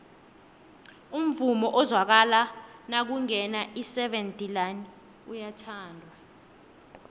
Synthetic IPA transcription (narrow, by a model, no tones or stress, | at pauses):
um̩vumɔʔɔzwak̬alanak̬uŋɛnaʔisɛɓentʼilani | ujatʰaːndʱwa